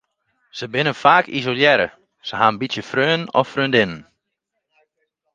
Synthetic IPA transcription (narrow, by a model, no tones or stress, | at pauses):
səbɪnənfaːkʰḭzoljɛɾə̰ | səɦanbitsjəfrøːnɔ̰frøːndɪnən